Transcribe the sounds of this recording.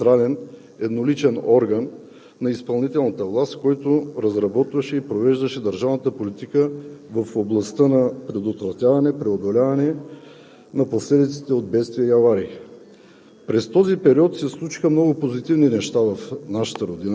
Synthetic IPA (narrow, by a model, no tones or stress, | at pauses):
t̪ɾalɛn | ɛd̪nolit͡ʃɛnɔɾɡənː | ɐispɐlˠnit̪ɛlˠnət̪əvlˠast̪kɔjt̪oɾɐzɾɐbɔt̪vɐʃɛipɾovɛʒd̪ɐʃɛd̪əɾʒavnət̪əpolit̪ikəvəfoblˠɐst̪ənɐpɾɛd̪ot̪vɾɐt̪ʲjavɐnɛpɾɛod̪olʲavɐnɛ | nɐposlɛd̪it̪si̥t̪ɛod̪̚bɛt̪st̪viəiɐvaɾi | pɾɛst̪ɔzipɛɾiɔt̪sɛslˠut͡ʃi̥xəmnɔɡʊpozit̪ivninɛʃt̪avɐfnaʃə̥t̪əɾod̪in